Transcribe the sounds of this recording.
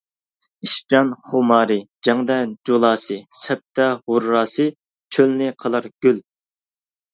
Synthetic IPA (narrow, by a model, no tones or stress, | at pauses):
iʃt͡ʃɑnχʊmɑːɾɨd͡ʒɑŋd̪ɛd͡ʒolˠɑːsɨsɛp̚t̪ʰːɛhʊɾːɑːsɨ | t͡ʃʰølnɪqʰəlˠɨɾɡ̥ʲyl